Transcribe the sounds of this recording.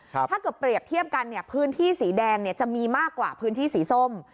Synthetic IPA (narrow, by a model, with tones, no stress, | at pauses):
aː˥˩kɤː˨˩pːɾi˨˩əp̚t̪ʰi˥˩əp̚ka˧nːi˥˩əpʰɯː˨˦˥nt̪ʰiː˥˩siː˩˦dɛː˧ŋni˥˩ɐt͡ɕa˨˩ʔmiː˧maː˥˩kːwa̰ː˨˩pʰɯː˦˥nt̪ʰiː˥˩siː˩˦so˥˩m